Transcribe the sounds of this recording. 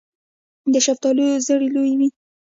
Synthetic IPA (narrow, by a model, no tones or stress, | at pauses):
d̪əʃaft̪ɑlujozəɽelojwi